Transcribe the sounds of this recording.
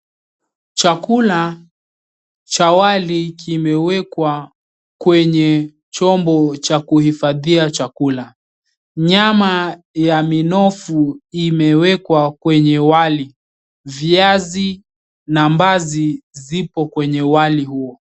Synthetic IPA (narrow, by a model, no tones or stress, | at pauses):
t͡ʃakula | t͡ʃawalikʰimɛwɛkwa | kwɛɲɛ | t͡ʃɔmbɔt͡ʃakuhifaðiat͡ʃakula | ɲama | jaminɔfuimɛwɛkwakwɛɲɛwali | viazi | nambazizipɔkwɛɲɛwalihuɔ